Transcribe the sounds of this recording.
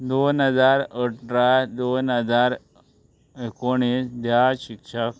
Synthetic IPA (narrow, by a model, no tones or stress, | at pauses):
d̪onɦəd͡zaɾəʈɾad̪onɦəd͡zaɾ | ekoɽ̃isd̪ʱjaɕikʂək